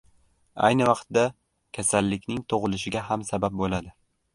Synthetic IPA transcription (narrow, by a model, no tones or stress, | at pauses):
a̰jnɪvɑqt̪d̪a | kʲʰasalːɪkʲnɪŋt̪ʰoʁɨlɪʃɪɡʲahamsabap̚bolad̪ɪ